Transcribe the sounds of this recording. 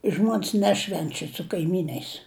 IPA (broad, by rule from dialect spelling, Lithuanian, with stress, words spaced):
ˈʒmuɔnʲsʲ ˈnʲæːʃʲʋʲɛnʲt͡ʃʲɛ sʊ kɐɪˈmʲiːnʲɐɪs